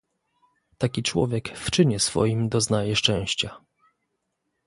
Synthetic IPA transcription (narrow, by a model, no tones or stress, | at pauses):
t̪akʲit͡ʂwɔ̰vʲjɛkft͡ʂɘɲɛsfɔ̰jimd̪ɔznajɛʂt͡ʂɛ̃w̃ɕt͡ɕa